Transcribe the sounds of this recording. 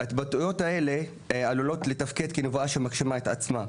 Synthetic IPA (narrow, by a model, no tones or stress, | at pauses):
aetbatujo̞tae̞le̞ | alulo̞t̪le̞t̪afke̞d̪kinovuaʃemakʃimaet̪at͡sma